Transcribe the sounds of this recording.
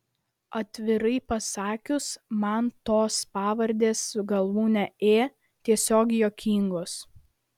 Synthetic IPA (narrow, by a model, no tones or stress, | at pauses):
ɐt̪ʲʋʲɪɾɐɪpɐsɑːkʲʊsmɐnt̪oːspɑːʋɐɾʲd̪ʲeːsːʊɡɐlˠʋuːnʲɛeː | t̪ʲiɛsʲoːɡʲɪjoːkʲʰiŋɡoːs